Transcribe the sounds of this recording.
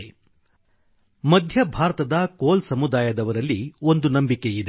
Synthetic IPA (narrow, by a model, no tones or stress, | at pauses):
mɐd̪ʱjɐbʱaːɾɐt̪ɐd̪ɐkoːlsɐmud̪aːjɐd̪ɐʋɐɾɐlːio̞nd̪unɐmbike̞id̪e